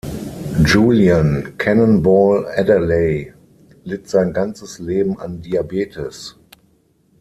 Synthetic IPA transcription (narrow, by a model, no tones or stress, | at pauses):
d͡ʒuːliãnkʰɛnə̃nbɔːlɛdəleɪ | lɪtz̥aɪ̃nɡant͡səsleːbm̩ã̰ndiabeːtʰɪs